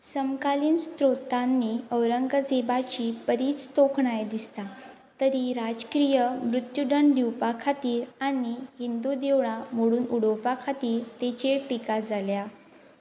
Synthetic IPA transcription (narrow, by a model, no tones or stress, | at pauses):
səmkaliːnst̪ɾot̪anːiəwɾəŋɡəd͡zebat͡ɕipəɾiːt͡st̪okʰɳajd̪ist̪a | t̪əɾiɾad͡zkɾijəmɾut̪juɖ̪əɳd̪iwpakʰat̪iːɾaɽ̃iɦind̪ud̪ewɭamoɽuːnuɽəwpakʰat̪iːɾt̪et͡ɕeʈikad͡zalja